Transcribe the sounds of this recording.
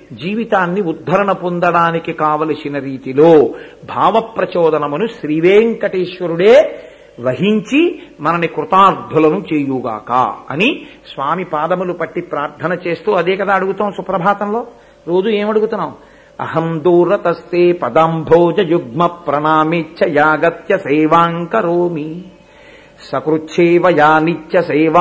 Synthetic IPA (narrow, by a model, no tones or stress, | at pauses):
d͡ʒiːʋit̪aːnːiud̪ʱːɐɾɐɳɐpond̪ɐɽaːnikikaːʋɐlɐsinɐɾiːt̪iloːbʱaːʋɐpɾɐt͡ʃɔːd̪ɐnɐmunuʃɾiʋeːŋkɐʈeːʂʋɐɾuɽeː | ʋɐɦiɲt͡ʃimɐnɐnikɾut̪aːɾd̪ʱulɐnut͡ʃeːjuːɡa̰ːka̰ːɐ̰ni | sʋaːmipaːd̪ɐmulupɐʈːipɾaːɾt̪ʰɐnɐt͡ʃeːst̪uːɐd̪eːkɐd̪aːɐɽuɡut̪aːmsupɾɐbʱaːt̪ɐmlo̞ː | ɾo̞ːd͡ʒueːmɐɽuɡut̪unːaːw | ɐ̰ɦɐnd̪uːɾɐt̪ɐst̪eːpɐd̪ambʱoːd͡ʒɐjuɡmɐpɾɐnaːmet͡ʃt͡ʃʃʰɐjaːɡɐt̪jɐsɛːʋaːŋkɐɾoːmi | sɐkɾut͡ʃʰeːʋɐjaːnit͡ʃjɐsɐːʋa